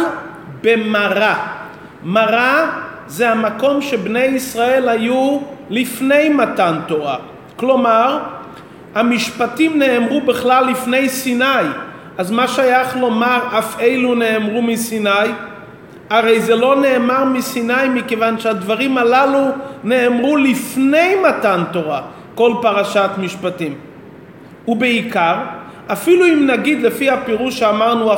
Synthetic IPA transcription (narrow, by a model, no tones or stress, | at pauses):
bemaʁa | maʁa | zeamako̞mʃebne̞jisʁae̞lhajulifne̞jmatantoa | klo̞maʁ | hamiʃpatimneːmʁubiχlalːifne̞jsinaj | ʔazmaʃajaχlo̞maʁafejlune̞ːmʁumisinaj | aʁe̞jzelo̞ne̞ːmaʁmisinajmikevanʃead̪vaʁimalalune̞ːmʁulifne̞jmatanto̞ʁa | ko̞lpaʁaʃat̪miʃpatim | ubeikaʁ | afiluimnaɡid̪lefihapeʁuʃeamaʁnua